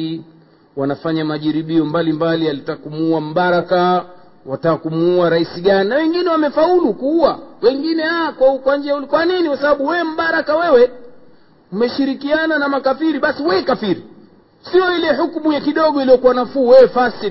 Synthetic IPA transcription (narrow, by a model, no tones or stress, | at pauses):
i | wanafaɲamaʄiɾiɓiɔmbalimbalialitakumuam̩ɓaɾaka | watakumuuaɾaisiɡaninawɛŋɡinɛwamɛfaulukuuawɛŋɡinɛhawakwakwand͡ʒiaulkwaninikwasaɓaɓuwɛɛm̩ɓaɾakawɛwɛ | umɛʃiɾikiananamakafiɾiɓasiwɛkafiɾi | siɔilɛɦukmujakiɗɔɠɔilijɔkuanafuːwɛwɛfasi